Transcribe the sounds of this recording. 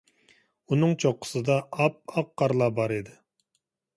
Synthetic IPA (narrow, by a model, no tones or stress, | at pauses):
unɨŋt͡ʃʰoqʰːʊ̥sɨd̪ɑɑp̚ɑqːɑɾlˠɑbɑɾid̪ɪ